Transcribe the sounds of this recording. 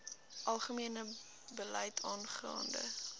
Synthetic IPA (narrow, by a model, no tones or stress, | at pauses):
ʔɐlˠχəmiənə | bəlɛjtʰɑːnχrɑ̰ːndə̰